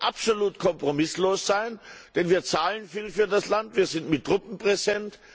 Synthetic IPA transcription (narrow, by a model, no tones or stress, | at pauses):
ʔapz̥oluːtkʰɔmpʁ̥omɪsloːsz̥aɪnd̥ɛnviːɐt͡saːlənfiːlfyːɐdaslantviːɐzɪntmɪt̚ːʁ̥ʊpm̩pʁ̥ɛzɛnt